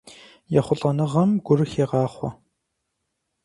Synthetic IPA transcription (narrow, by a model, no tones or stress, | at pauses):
jɛχʷʊɬʼɐnɨʁɐmɡʷʊrɨxeːʁɑːχʷɔ̰